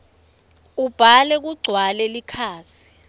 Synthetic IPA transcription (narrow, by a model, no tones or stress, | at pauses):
ub̥ʱalɛk̬uɡ͡ǀʱwalɛlikʰaːsi̥